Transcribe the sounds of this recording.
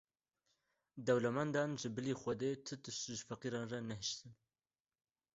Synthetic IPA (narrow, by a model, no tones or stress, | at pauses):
d̪ɛwlɛmɛnd̪ɑːnʒɨbɨliːxʷɛd̪eːt̪ʰɨt̪ɨʃʒɨfæqiːɾɑːnrɑnɛɦɨʃt̪ɨn